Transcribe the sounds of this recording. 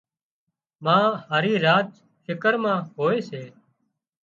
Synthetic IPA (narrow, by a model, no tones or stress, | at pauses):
mãːhaːɾiːɾaːt | fɪkəɾmãːɦoːeːseː